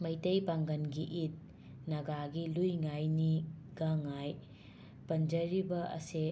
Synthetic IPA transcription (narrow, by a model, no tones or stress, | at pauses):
mɐjtɐjbaŋɡɐnɡiʔit̚ | nɐɡaɡilujŋajniɡɐŋaj | pɐnd͡ʒɐɾibɐʔɐ̰se